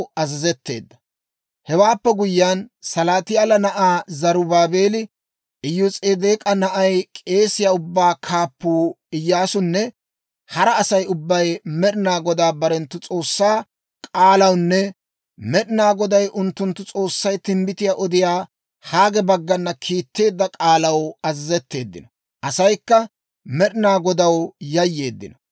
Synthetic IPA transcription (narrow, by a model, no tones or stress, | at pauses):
ɐzɐzɛt̪ːe̞̰ːd̪ːɐ̥ | hɛwaːpːɛɡʊjːansɐlaːt̪ɪjalɐnɐʔaːzɐɾʊbaːbe̞ːlɪ | ʔɪjːʊt͡sʼeːd̪eːkʼɐnɐʔɐjkʼe̞ːsɪjaːʊbːaːkʰaːpːuː | ɪjːaːsʊnːɛ | hɐɾɐːsɐjʊbːɐjmɛɗɪnaːɡɔd̪aːbɐɾɛnt̪ːʊt͡sʼo̞ːsːaː | kʼaːlɐwnːɛ | mɛɗɪnaːɡɔd̪ɐjʔʊnt̪ːʊnt̪ːʊt͡sʼo̞ːsːɐjt̪ɪmbɪt̪ɪjaːʔɔd̪ɪjaː | haːɡɛbɐɡːɐnːɐkʰiːt̪ːe̞ːd̪ːɐkʼaːlɐwɐzzɛt̪ːe̞ːd̪ːɪnɐ | ʔɐsɐjkːɐ | mɛɗɪnaːɡɔd̪ɐwjɐjːe̞ːd̪ːɪ̰nɐ